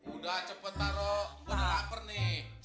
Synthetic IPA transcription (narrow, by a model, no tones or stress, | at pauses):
udat͡ʃəpət̪aɾɔbənapərnɪ